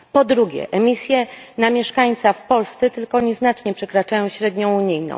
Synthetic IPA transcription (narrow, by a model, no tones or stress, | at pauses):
pɔd̪ɾuɡʲɛ̰ʔɛmʲisʲjɛnamʲjɛʂkaɲt̪safpɔlst̪sɛt̪ɘlkɔɲɛznat͡ʂɲɛpʂɛkɾat͡ʂajɔ̃w̃ɕɾɛd̪ɲɔ̃w̃uɲijnɔ̰̃w̃